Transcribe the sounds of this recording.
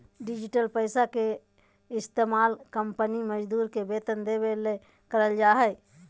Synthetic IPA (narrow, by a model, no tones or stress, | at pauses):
ɖɪd͡ʒɪʈəlpəɪsake | ɪst̪eːmaːlkəmpəniməd͡ʒd̪uːɾkebeːt̪ənd̪ebele | kəɾəld͡ʒaːɦɛɪ